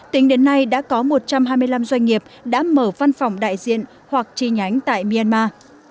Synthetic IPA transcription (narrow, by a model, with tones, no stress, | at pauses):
t̪ï˨˦ŋ̟ɗe˨˦nːa˧jɗa̰ː˧˥kɔ˨˦mo˨˩t̚t͡ɕa˧mɦaː˧jmɨ˧əjla˧mzwa˧jŋ̟ŋi˨˩əp̚ɗa̰ː˧˥məː˧˩va˧nfɔ˨˩wŋ͡mɗa̰ː˧˨jzḭ˧˨ən | hwa˨˩k̚t͡ɕi˧˩ɲa˨˦jŋ̟t̪a̰ː˧˨jmi˧a˧nmaː˧